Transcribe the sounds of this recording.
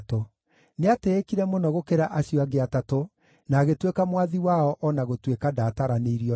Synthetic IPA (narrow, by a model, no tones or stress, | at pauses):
to | neateːkiɾɛmonɔɣokeɾaʔaɕiɔaɣeatato | naːɣetwekamwaðiwaɔʔɔnaɣotwekadataɾaneiɾiɔ